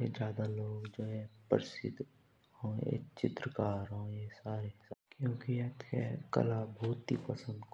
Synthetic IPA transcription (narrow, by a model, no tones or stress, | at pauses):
ed͡ʒjaːd̪aloːɡd͡ʒoːɦɛ̃pəɾɪsɪ̰d̪ʱ | ɦõːjḛt͡ʃɪt̪ɾəkaːɾɦõːjesaːɾeskjõːkiatɛ̰kɐ̰labʱuːt̪ḭpəsə̃nd̪k